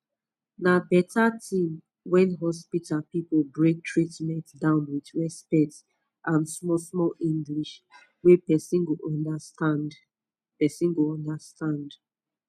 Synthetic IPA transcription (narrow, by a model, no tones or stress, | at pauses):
nabɛtʰatĩm | wɛ̃nɦɔspitʰapipobɹek̚tʰɹitmɛ̃ntdãʊ̃nwidɹɛspɛt | ʔãnsmɔsmɔlĩŋɡliʃ | wepɛsĩnɡoʔɔndat | pɛsĩnɡoɔ̃ndastãnd